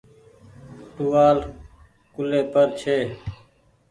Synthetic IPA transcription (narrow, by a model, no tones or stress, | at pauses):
ʈuʋaːl | kʊleːpəɾt͡ʃʰeː